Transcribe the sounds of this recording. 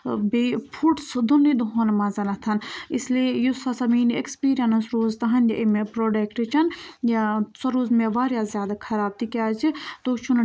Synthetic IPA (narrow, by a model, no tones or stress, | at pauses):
beːpʰuʈsd̪unːid̪uɦoːnmɐzɐnɐt̪ʰɐnisliejusɐsɐmiːnekspiːɾijɐnɐsɾoːzt̪ɐɦɐnjɐʔemepɾoːɖeːkʈɨt͡ʃʰɐnjasɐɾuːzmeʋaːɾjaːzʲjaːd̪akʰɐɾaːb̚t̪ikʲaːt͡ʃit̪oːt͡ʃʰun